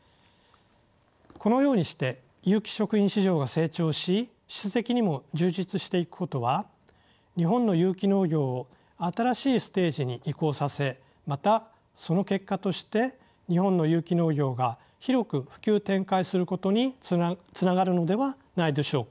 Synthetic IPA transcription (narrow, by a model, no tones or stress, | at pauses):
ko̞no̞jo̞ːɲ̟iɕi̥t̪e̞ | jɯːkʲi̥ɕo̞kɯ̟ĩɕiʑo̞ːɡase̞ːt͡ɕo̞ːɕi | ɕi̥sɨt̪e̞kʲiɲ̟imo̞d͡ʑɨːʑit͡sɨɕi̥t̪e̞ikɯ̟̥ko̞t̪o̞βa | ɲ̟iɦõ̞nːo̞jɯːkʲino̞ːɡʲo̞ːo | at̪aɾaɕiːsɨ̥t̪e̞ːʑiɲ̟iʔiko̞ːsase̞ | mat̪a | so̞no̞ke̞kːat̪o̞ɕi̥t̪e̞ | ɲ̟ihõ̞nːo̞jɯːkʲino̞ːɡʲo̞ːɡa | çiɾo̞kɯ̟ɸɯ̟̥kʲɨːt̪ẽ̞ŋkaisɨɾɯ̟ko̞t̪o̞ɲ̟it͡sɨnaɡaɾɯ̟no̞d̪e̞βa | naid̪e̞ɕo̞ːk